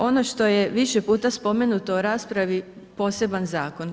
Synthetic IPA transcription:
o̞no̞ʃt̪o̞jeʋiʃepuːt̪aspo̞me̞nut̪o̞uɾaːspɾaʋi | po̞ːse̞banzaːko̞n

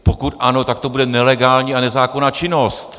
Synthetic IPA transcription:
pokut̪ʔano̞t̪akt̪obudɛnɛlɛɡaːlɲiːanɛzaːkonaːt͡ʃɪnost̪

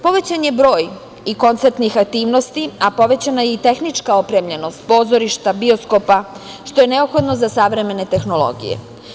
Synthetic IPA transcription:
po̞ʋet͡ɕaɲebɾo̞ːj | iko̞nt̪seɾt̪nixak̚t̪iːʋno̞st̪iapo̞ʋe̞t͡ɕanajeit̪e̞xnit͡ʃkao̞pɾe̞mʎe̞no̞st̪̚po̞ːzo̞ɾiʃt̪abio̞sko̞pa | ʃt̪o̞je̞ne̞opxo̞d̪no̞zasaʋɾe̞me̞ne̞t̪e̞xno̞lo̞̰ɡḭjḛ

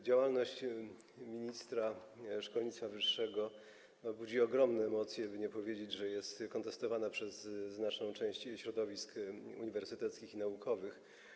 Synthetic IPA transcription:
d͡ʑawalnɔɕt͡ɕ | mʲiɲist̪ɾaʂkɔlɲit̪st̪favɘʂːɛɡɔ | bud͡ʑiɔɡɾɔmnɛːmɔt̪sʲjɛbɘɲɛpɔvʲjed͡ʑed͡ʑʐɛjɛst̪kɔnt̪ɛst̪ɔvanapʂɛzːnat͡ʂnɔ̃w̃t͡ʂɛ̃w̃ɕt͡ɕɕɾɔd̪ɔvʲiskṵɲivɛɾsɘt̪ɛt̪skʲixinaukʰɔvɘx

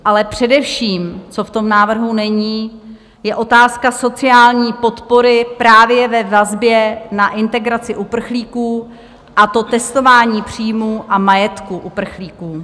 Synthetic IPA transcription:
ʔalɛpr̝̥ɛdɛfʃiːmt͡so̞ft̪o̞mnaːvr̩ɦunɛɲiː | jɛʔo̞t̪aːskaso̞t͡sɪaːlɲiːpo̞t̪po̞ɾɪpɾaːvjɛvɛvazbjɛnaʔɪnt̪ɛɡɾat͡sɪʔupr̩xliːkuː | ʔat̪o̞t̪ɛst̪o̞vaːɲiːpr̝̥iːjmuːʔamajɛt̪kuʔupr̩xliːkuː

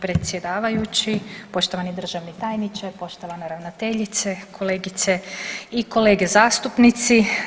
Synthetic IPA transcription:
pɾe̞t̪sje̞d̪aːʋajut͡ɕipo̞ʃt̪o̞ʋanid̪r̩ʒaʋnit̪aːjnit͡ʃepo̞ʃt̪o̞ʋaneɾaʋnot̪e̞ʎit̪sekʰo̞leːɡit̪seiko̞le̞ːɡezaːst̪upnit̪si

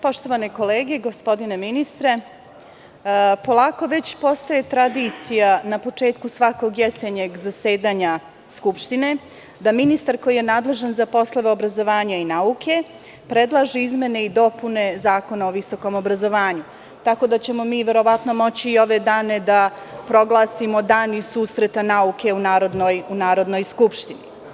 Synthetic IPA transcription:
po̞ʃt̪o̞ʋaneko̞leːɡe̞ɡospo̞d̪ine̞minist̪ɾe̞ | po̞lˠaːko̞ʋet͡ɕpo̞st̪aje̞t̪ɾad̪it̪sijanapo̞t͡ʂe̞ːt̪kusʋako̞ɡjeseɲeɡzase̞ːd̪aːɲa | skupʃt̪ine̞ | d̪aminist̪aɾko̞jije̞naːd̪le̞ʒanzapo̞slˠoʋe̞obɾazo̞ʋaːɲainaukʰe̞ | pɾe̞d̪lˠaʒiizme̞neid̪o̞pune̞zaːko̞naoʋiso̞ko̞mo̞bɾazo̞ʋaːɲu | t̪ako̞d̪at͡ɕe̞mo̞miːʋe̞ɾo̞ʋat̪no̞mo̞t͡ɕiːo̞ʋe̞d̪aːne̞d̪a | pɾo̞ɡlˠaːsimod̪aːnisuːsɾet̪anauke̞unaːɾod̪nojunaːɾo̞d̪no̞jskupʃt̪ini

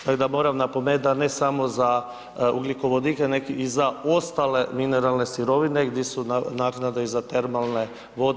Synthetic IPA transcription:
t̪aɡd̪amo̞ːɾamnapomed̪anesamo̞za | uɡliko̞ʋod̪ikenekizaost̪ale̞mineɾalˠne̞siɾo̞ʋineɡd̪jesunaːknad̪eizat̪e̞ɾmalˠne̞ | ʋo̞d̪

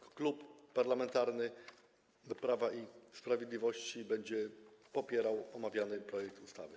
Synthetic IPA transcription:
klupːaɾlamɛnt̪aɾnɘ | pɾavaʔispɾavʲjed̪lʲivɔɕt͡ɕibɛɲd͡ʑɛpɔpʲjɛɾawɔmavʲjanɘpɾɔjɛk̚t̪ust̪a̰vɘ

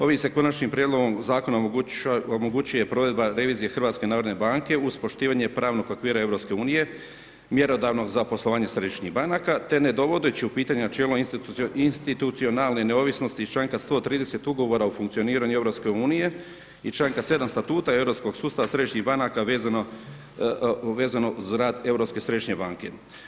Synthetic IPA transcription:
o̞ʋimse̞ko̞nat͡ʃɲimpɾjed̪lˠo̞ɡo̞mzaːko̞na | omoɡut͡ɕuje̞pɾo̞ʋe̞d̪baɾe̞ʋiːzije̞xr̩ʋaːt̪ske̞naːɾod̪nebaŋke̞uspo̞ʃt̪iːʋaɲe̞pɾaːʋno̞ɡokʋiːɾae̞ʋɾo̞pske̞uːnije̞ | mje̞ɾo̞d̪aʋno̞ɡzapo̞slˠo̞ʋaːɲesɾe̞d̪iʃɲiɦbanakat̪e̞ne̞d̪o̞ʋod̪et͡ɕiupiːt̪aɲenat͡ʃeːloininst̪it̪ut̪sionalne̞ne̞o̞ːʋisno̞st̪it͡ʃlaːŋkast̪o̞t̪ɾiːd̪ese̞t̪uɡo̞ʋo̞ɾaufuŋkt̪sio̞niːɾaɲueʋɾo̞pske̞uːnije̞ | it͡ʃlaːŋkase̞d̪amst̪at̪uːt̪ae̞ʋɾo̞psko̞ɡsuːst̪aʋasɾe̞d̪iʃɲiɦbanakaʋezano | ʋeːzano̞uzɾaːd̪e̞vɾo̞pske̞sɾe̞d̪iʃɲe̞baːŋke̞

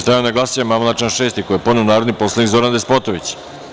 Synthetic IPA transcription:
st̪ajanaɡlˠasijamamlˠat͡ʃanʃe̞ːst̪ikojepod̪neunaːɾod̪nipo̞slˠanikzoɾand̪espot̪oʋit͡ɕ

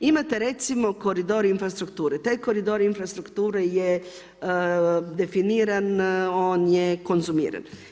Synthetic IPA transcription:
imɛt̪ɛɾɛsimɔkɔɾid̪ɔɾiːnfɾast̪ɾuk̚t̪uɾɛt̪ɛkɔɾid̪ɔɾiinfɾast̪ɾukt̪uɾɛjɛ | d̪ɛfiniɾɛnɔnjɛkɔnsumḭɾɛ̰n

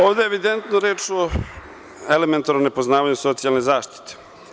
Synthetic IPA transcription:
oːʋd̪eeʋid̪ent̪noɾeːt͡ʃo | element̪aɾonepoznaːʋaɲuso̞t̪sijalne̞zaːʃt̪i̥t̪e̥

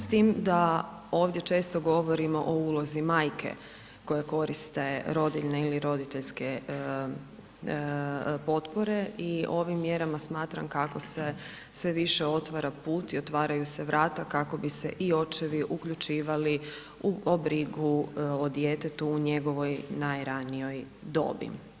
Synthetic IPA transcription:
st̪iːmd̪a | o̞ːʋd̪je̞t͡ʃe̞ːst̪o̞ɡo̞ʋo̞ɾimo̞ʔouːlˠo̞zimaːjkʰe̞̰ | ko̞jeko̞ɾist̪e̞ɾo̞d̪iʎneiliɾo̞d̪it̪e̞ʎske | po̞t̪po̞ɾe̞io̞ʋimːje̞ɾamasmaːt̪ɾa̰mkako̞se̞ | sʋe̞ʋiʃeo̞t̪ʋaɾapuːt̪io̞t̪ʋaːɾajuseʋɾʔaːt̪akako̞bise̞̰ʔio̞t͡ʃeʋiʔukʎut͡ʃiːʋali | uobɾiɡuod̪jet̪et̪uːɲe̞ɡo̞ʋo̞jnajɾanijo̞j | d̪o̰ːbḭ

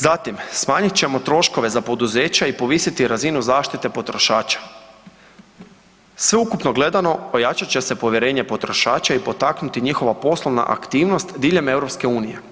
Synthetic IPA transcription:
zat̪imsmaːɲit̪t͡ɕe̞mo̞t̪ɾo̞ʃko̞ʋe̞zapo̞d̪uze̞ːt͡ɕaipo̞ʋisit̪iɾazinuzaːʃt̪it̪e̞po̞t̪ɾo̞ʃaːt͡ʃḁ | sʋeukupno̞ɡle̞d̪ano̞ojat͡ʃat͡ɕe̞se̞po̞ʋje̞ɾe̞ːɲe̞po̞t̪ɾo̞ʃaːt͡ʃaipo̞t̪aknut̪iɲixo̞ʋapo̞slˠoʋna̰ʔa̰kt̪iːʋno̞st̪d̪iːʎe̞me̞wɾopske̞uːnije̞

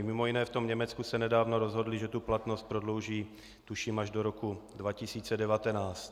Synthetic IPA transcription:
mɪmo̞jinɛːft̪omɲɛmɛt͡skusɛnɛdaːvnoɾozɦodlɪʒɛt̪uplat̪nost̪̚pɾo̞dlowʒiː | t̪uʃimaʒdoɾokudvacɪsiːt͡sɛdɛvat̪ɛnaːst̪

